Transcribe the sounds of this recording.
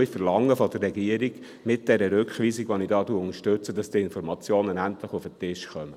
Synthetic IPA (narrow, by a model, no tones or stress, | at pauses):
ifəɾlɑŋːəfɔd̪ərːɛɡiəɾiɡ̥ | mɪt̚d̥ɛɾəɾʏkχʋiːsiɡʋonidɑːtuəʊnəʃtɵt͡sədɑsd̥iːɪnfɔɾmɑt͡sjoːnənæntlɪχufətɪʃχœmə